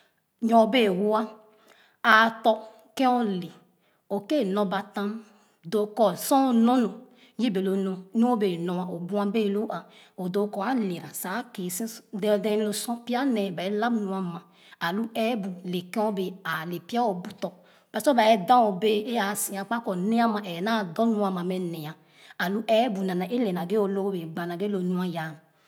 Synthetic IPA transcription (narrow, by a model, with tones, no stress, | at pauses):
ɲɔ̃˨be˦˨wu˦a˦ | a˨tɔ˧ | kɛ̃˦ɔ˦le˨ | o˨ke˦˨nɔ̃˧ba˨tã˦m˨ | do˨kɔ˨sɔ̃˦˨nɔ̃˦nɔ˨ | ji˦be˨lo˨˦nɔ̃˨nu˦o˦be˨nɔ˨wa˨o˨bu˦a˦be˦˨lo˦ʔa˨ | o˨do˨kɔ˨a˦li˨ɾa˨sa˨˦ke˨si˦dɛ˦˨dɛ˦lo˦sɔ̃˦pi˦a˦nɛ˨ba˨ɛ˦la˦bnu˨a˨mã˨ | a˨lu˦ɛ˦bu˨le˨kẽ˦o˦be˨a˨le˨pi˦a˦o˨bu˦tɔ˨ | b̥a˨˦sɔ˦ba˨ɛ˦dã˦o˨be˦e˦a˨si˨a˨k͡pa˦kɔ˨ne˦a˦mã˨ʔɛ˨na˦˨dɔ˦nũ˦a˨mã˨mɛ˨ne˨a˨ | a˨lu˦ʔɛ˦bu˨nã˨na˨ʔe˦lɛ˨na˨ɡe˦o˨lo˦be˨ɡ͡ba˨na˨ɡe˦lo˨nũ˦ã˦ja˨˦˨